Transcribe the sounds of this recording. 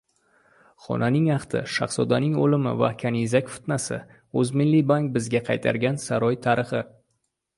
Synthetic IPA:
χɒ̰nanɪŋɑχt̪ʰɪ̰ʃɑ̰χsɒd̪anɪŋolɪmɪ̰va̰kʲʰanizakʲfɪ̥t̪nasɪ̰ | ɵzmɪlːibaŋk̚bɪzɡʲaqʰɑjt̪ʰa̰ɾɡʲansaɾɒjt̪ʰaɾɪχɪ

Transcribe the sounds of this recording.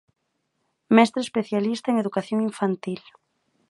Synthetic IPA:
mɛst̪ɾespeθjalist̪aeŋeðukaθjoŋiɱfant̪il

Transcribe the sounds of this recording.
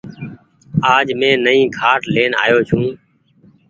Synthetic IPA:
aːd͡ʒmẽːnəĩːkʰaːʈleːna̰ːjoːt͡ʃʰũː

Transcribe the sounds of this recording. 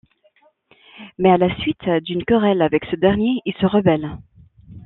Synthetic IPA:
mɛalasɥit̪d̪ynkəʁɛlavɛksəd̪ɛʁnjeilsəʁəbɛl

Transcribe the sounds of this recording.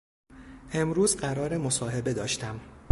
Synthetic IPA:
ʔe̞mɾuːzɢæɾɒːɾe̞mo̞sɒːɦe̞be̞d̪ɒːʃt̪æm

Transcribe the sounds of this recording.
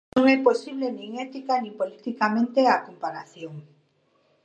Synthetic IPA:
õŋɛposiβlenĩŋet̪ikanĩmpolit̪ikamẽnt̪eakompaɾaθjõŋ

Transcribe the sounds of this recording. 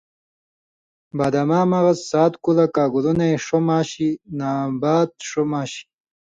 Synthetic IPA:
baːd̪amaːmaɣɐssaːt̪kulakaːɡulunajʂomaːɕinaːbaːt̪̚ʂomaːɕi̥

